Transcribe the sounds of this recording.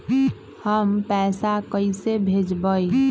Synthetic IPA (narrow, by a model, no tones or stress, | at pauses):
həmpɛsakəɪsebʱed͡ʒbəj